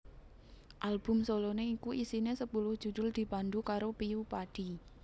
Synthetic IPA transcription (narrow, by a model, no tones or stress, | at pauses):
ʔalb̥ʊ̤msoloneikuʔisinesəpulʊhd̥ʒ̥ṳd̪̥ʊld̪̥i̤pand̪ukaɾopiupadɖ̥i̤